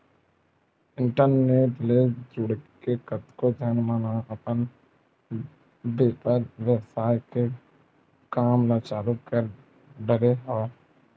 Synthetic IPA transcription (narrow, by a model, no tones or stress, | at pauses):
ɪ̃ɳʈəɾneːʈled͡ʒʊɽkekət̪kod͡ʒ̪ʱənmanaəpən | beːt̪əɾʋjəsaːjke | kaːmlat͡ʃaːlukəɾ | ɖəɾeɦoe